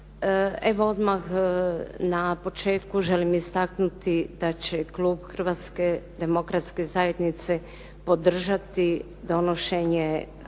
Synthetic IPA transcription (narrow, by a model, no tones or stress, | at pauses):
eʋood̪max | napo̞t͡ʃe̞ːt̪kuʒelimist̪aknut̪id̪̥at͡ɕeklˠuːbxr̩ʋat̪sked̪emo̞kɾat̪skezajed̪nit̪se | po̞d̪r̩ʒat̪i | d̪o̞noʃeɲe